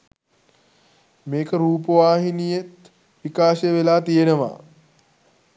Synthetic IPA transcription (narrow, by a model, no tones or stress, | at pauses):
meːkəɾuːpəʋaːɦinijet̪ | ʋikaːʃeʋelaːt̪ijenəʋa̰ː